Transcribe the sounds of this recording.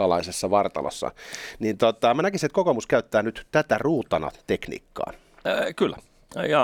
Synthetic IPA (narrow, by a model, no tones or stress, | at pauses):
ɑlɑ̰isesːɑʋɑrt̪ɑ̰lo̰sːɑ̰nint̪ot̪ɑmænækisiet̪kokomuskæyt̪ːæːnyt̪t̪æt̪æruːt̪ɑnɑ̰t̪eknḭːkːɑ̰ː | kylːæ | jɑ